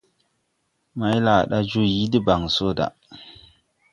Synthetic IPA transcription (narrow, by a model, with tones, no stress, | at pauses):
ma˨˦jla˨ɗa˦d͡ʒu˦ji˦di˦ba˨ŋ˨so˦˨da̰˨